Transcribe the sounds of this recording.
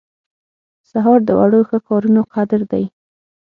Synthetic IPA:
saɦɑɾd̪əwʔa̰ɽoxəkɑɾunoqad̪ɪɾd̪aj

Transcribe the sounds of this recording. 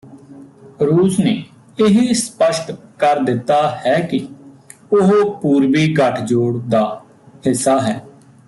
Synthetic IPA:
ɾuːsneː | ɪɦispəʃʈkəɾd̪ɪt̪ːaːhɛːkɪ | ʊɦopuːɾʋiːɡəʈʰd͡ʒoːɽd̪aː | hɪsːaːɦɛː

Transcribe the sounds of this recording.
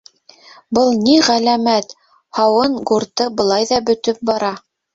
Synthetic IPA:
bɤlˠniʁælæmæt̪ | hɑwɤɴɡuɾt̪ɤbɤ̆lˠɑjðɑbɵ̆t̪ɵp̚bɑɾɑ

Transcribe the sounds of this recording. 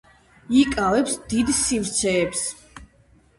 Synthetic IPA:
ikʼavɛpsd̪id̪sivɾt̪sʰɛːps

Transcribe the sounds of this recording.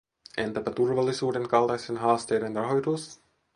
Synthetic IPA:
ent̪æpæt̪urʋɑlːisuːde̞ŋkɑlt̪ɑjsenɦɑːst̪e̞jdenrɑɦo̞jt̪us

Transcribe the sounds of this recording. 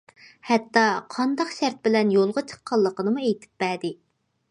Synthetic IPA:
hɛt̪ːɑqʰɑnd̪ɑqʃæɾt̪̚bɪlɛnjolˠʁɑt͡ʃʰə̥qʰːɑlˠːəqənɨmuejt̪ʰɪ̥p̚bɛd̪ɪ

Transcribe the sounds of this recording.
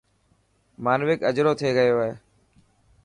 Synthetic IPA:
maːnʋɪkəd͡ʒɾoːt̪ʰeːɡəjoːɦeː

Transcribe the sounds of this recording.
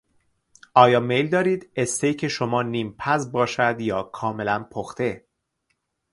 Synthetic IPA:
ʔɒːjɒːme̞jld̪ɒːɾiːd̪est̪ejcʰe̞ʃomɒːniːmpʰæzbɒːʃæd̪jɒːkʰɒːme̞lænpʰoxt̪e̞

